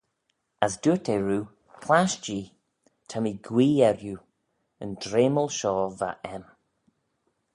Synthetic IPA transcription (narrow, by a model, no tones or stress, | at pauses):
asdutɛɹuː | pʰlaʃd͡ʒiː | tʰamiɡwiːɛɾju | ə̰ndɾeːməlˠʃɔːva̰ʔɛm